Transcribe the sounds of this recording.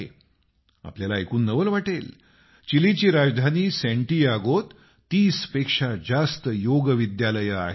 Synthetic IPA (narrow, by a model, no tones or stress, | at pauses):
ḛ | a̰pljalakuːnːəʋəlʋaʈel | t͡ɕilit͡ɕiːɾad͡zd̪ʱaniːsɛ̃ɳʈiːaɡot̪ː | iːspekʂad͡zast̪əjoɡəʋid̪jaləjəa̰ɦ